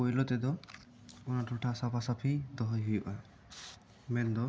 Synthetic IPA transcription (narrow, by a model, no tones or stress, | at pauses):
ojlɔt̪ɛd̪ɔ | ɔnaʈʰuʈʰasapʰasapʰid̪ɔɦɔjɦujuʔa | mɛnd̪ɔ